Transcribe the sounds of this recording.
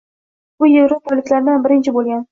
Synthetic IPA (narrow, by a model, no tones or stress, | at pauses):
bʊjevɾopʰɒlɪkʲlaɾd̪nbɪɾɪnt͡ʃʰɪbolˠɡʲan